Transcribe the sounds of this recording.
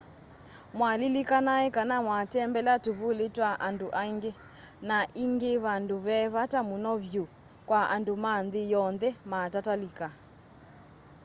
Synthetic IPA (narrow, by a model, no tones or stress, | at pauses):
mwalilikanaɛkanamwatɛmbɛlatuβuletwaʔanduʔaiŋɡe | naʔiŋɡeβanduβɛβatamunɔβju | kwaʔandumanðijɔnðɛmatatalika